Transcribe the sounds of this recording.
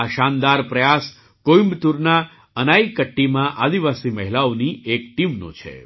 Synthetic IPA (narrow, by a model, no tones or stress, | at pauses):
aʃand̪aɾpɾəjas | kojimbt̪uɾna | ənaikəʈːimãʔad̪iʋasiməɦilaoniekʈimnõ̰t͡ʃʰḛ